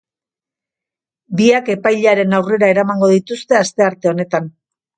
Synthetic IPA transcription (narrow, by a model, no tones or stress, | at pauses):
biake̞pajʎaɾe̞nawre̞ɾaeɾamaŋɡo̞ðit̪ust̪e̞ast̪e̞aɾt̪e̞o̞ne̞t̪an